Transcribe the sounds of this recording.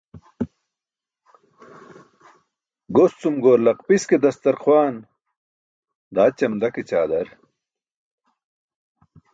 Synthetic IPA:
ɡost͡sumɡoːɾlɐqpisked̪ɐst̪ɐɾxwaːn | d̪aːt͡ɕɐmd̪ɐket͡ɕaːd̪ɐɾ

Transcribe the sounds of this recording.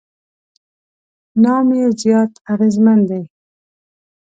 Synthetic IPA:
nɑːmjezjɑt̪aɣezmand̪ej

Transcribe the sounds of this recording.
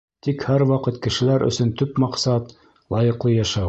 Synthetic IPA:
t̪ikhæɾwɑqɤt̪kɘ̆ʃɘ̆læɾɵ̰̆sɵnt̪ɵpmɑqsɑt̪ | lˠɑjɤ̆qlˠɤjɑʃɑw

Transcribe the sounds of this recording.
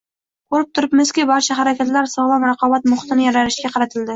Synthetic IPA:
kʰoɾɪp̚t̪ʰʊɾɪpmɪskʲibɒɾt͡ʃʰaɦaɾakʲat̪laɾsɒlˠɑmɾɑqɒbat̪mʊχt̪ɪnɪjɒɾaɾɪʃkʲaqʰɑɾat̪ʰɪld̪ɪ

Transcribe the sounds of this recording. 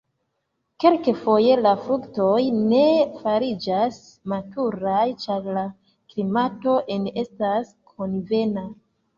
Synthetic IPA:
ke̞lkefo̞je̞lafɾukto̞jne̞faɾid͡ʒas | matuɾajt͡ʃaɾla | klimato̞ʔene̞stas | kʰo̞nve̞na

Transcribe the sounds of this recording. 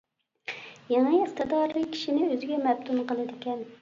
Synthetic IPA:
jeŋəəχt̪ɨd̪ɑɾlɨkʲʰːi̥ʃinɪøzɪɡʲɛmɛb̚t̪ʰunqəlˠɨd̪ɪkʲɛn

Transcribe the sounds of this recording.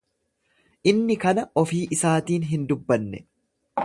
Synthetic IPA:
ʔɪnːɪkɐnɐɔfiːʔɪsaːt̪iːnɦɪnd̪ʊbːɐnːɛ̰

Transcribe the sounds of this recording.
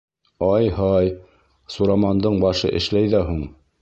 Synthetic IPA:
ɑjhɑj | suɾɑmɑnd̪ɤɴbɑʃɤ̰ʔɘ̆ʃlæjðæɦuɴ

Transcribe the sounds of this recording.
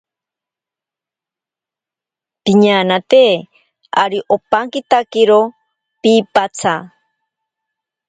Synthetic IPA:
piɲanat̪eː | aɾiʔopaŋkit̪akiɾo | pipat͡sʰa

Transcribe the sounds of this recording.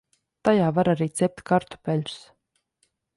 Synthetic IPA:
t̪ajaːvaɾaɾiːt̪sɛp̚t̪ʲkaɾt̪u̥pʲɛlʲs

